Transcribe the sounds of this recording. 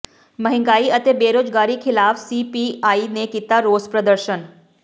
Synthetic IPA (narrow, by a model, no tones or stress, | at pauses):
məɦɪ̃ŋɡaːiət̪eːbeːɾoːzɡaːɾikʰɪlaːfsiːpiːaːinekiːt̪aɾoːzpɾəd̪əɾʃən